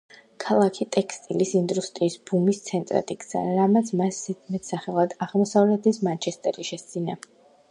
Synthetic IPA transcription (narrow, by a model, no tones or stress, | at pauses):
kʰalˠakʰit̪ʼɛkst̪ʼilisind̪ɾust̪ʼɾiːsbumist̪sʰɛnt̪ʼɾa̰t̪ʼiɡz̥a̰ɾamat̪sʰmasmɛt̪ʰsaχɛlˠad̪aʁlˠmɔsavlɛt̪ʰismant͡ʃʰɛst̪ʼɛɾiʃɛst̪zina